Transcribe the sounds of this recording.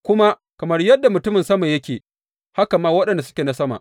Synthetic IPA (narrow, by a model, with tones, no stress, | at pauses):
kʷʊ˦ma˦ | kɐ˨mɐ˦rjɐ˦dːa˨mʊ˨tʊ˦mɪ˨nsɐ˦ma˨jɐ˦kʲeː˨ | ha˦kɐ˨mːaː˦wɐ˦ɗɐ˨nda˨sʊ̥˦kʲeː˨na˦sɐ˦ma̰˨